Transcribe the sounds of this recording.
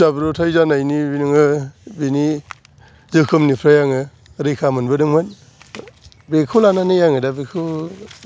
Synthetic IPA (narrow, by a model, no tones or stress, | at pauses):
abɾotʰajzanajnibinɯŋɯbini | zɯkʰɯmnipʰɾajaŋɯ | ɾɯjkʰamɯnbɯdɯŋmɯn | bekʰɯwlananɯjaŋɯdabekʰɯ